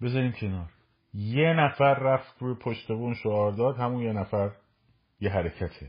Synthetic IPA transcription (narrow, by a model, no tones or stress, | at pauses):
be̞zɒːɾiːmkʰe̞nɒːɾ | jenæfæɾːæft̪ɾuːjepʰoʃt̪e̞buːnʃoɒːɾd̪ɒːd̪hæmunjenæfæɾ | jeɦæɾecʰæt̪ʰe